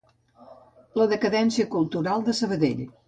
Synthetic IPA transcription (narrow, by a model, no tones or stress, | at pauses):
ləðəkəðɛnsiəkulˠt̪uɾalˠd̪əsəβ̞əðḛʎ